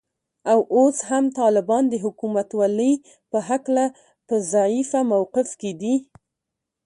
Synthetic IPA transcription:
awʔoshamt̪ɑlɪbɑnd̪əɦʊkumat̪waləj | pəɦakla | pəzaʕifamawqɪfked̪i

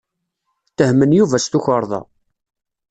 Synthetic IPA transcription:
t̪ːəhmənjuvæst̪uçəɾˤðˤɑ̰

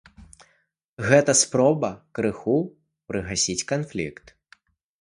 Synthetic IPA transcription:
ɣɛt̪ɐspɾɔbɐkɾɨxu | pɾɨɣasʲit͡sʲkanflʲḭkt̪

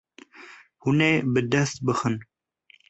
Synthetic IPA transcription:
huneːbɨd̪ɛst̪̚bɨxɨn

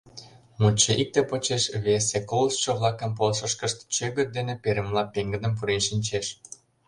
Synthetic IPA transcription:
mut͡ɕːə̆ʔik̚t̪epot͡ɕeʃβesekolsʃə̆βlˠɑkə̆mpolʃə̆ʃkə̆ʃt̪t͡ɕøɡə̆t̪̚d̪enepeɾĕmlɑpeŋɡə̆d̪ə̆mp̬uɾenʃinʲt͡ɕeʃ

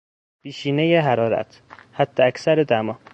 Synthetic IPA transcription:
piːʃiːnejeɦæɾɒːɾæ̰t̪ʰhæd̪̥ːeæcsæɾed̪æmɒː

